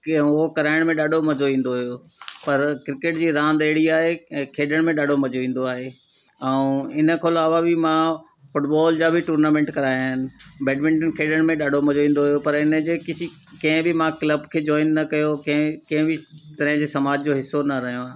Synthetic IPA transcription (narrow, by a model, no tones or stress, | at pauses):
ʊɦokɐɾaːɪɽ̃mẽɗaːɖʱomɐd͡ʑoʋĩːn̆d̪oɦʊjo | pɐɾkɾɪkeʈd͡ʑiːɾãːnd̪ɐɦɪɽiaːɦekʰeːɗəɽ̃mẽɗaːɖʱomɐd͡ʑʱoʋĩːn̆d̪oaːɦe | ɛũɪnəkʰoːlaːʋabɪmã | fʊʈbaːld͡ʑaːbʱɪʈuːɾnaːmẽːɳʈkɐɾaːjaːɦɪnɪ̆bɛːɖmɪ̃ɳʈənkʰeːɗəɽ̃mẽɗaːɖʱomɐd͡ʑoĩːn̆d̪oɦʊijopɐɾɪnəd͡ʑeːkɪsikɐ̃ɦɪ̃bɪmãkləbkʰeːd͡ʑɔːɪnːɐkɐjokɐ̃ɦkɐ̃ɦɪ̃bɪt̪ɐɾəɦɪ̃d͡ʑeːsɐmaːd͡ʑd͡ʑoːɦɪsːonɐɾɐɦijõaː